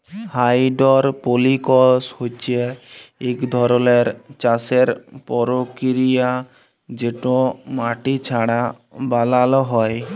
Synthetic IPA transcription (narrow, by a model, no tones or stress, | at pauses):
hajɖɔɾpolikɔshot͡ʃʰieekd̪ʱɔɾɔleɾt͡ʃaseɾpɔɾokiɾija | d͡ʒeʈõmaʈit͡ʃʰaɽa | balalɔɦɔj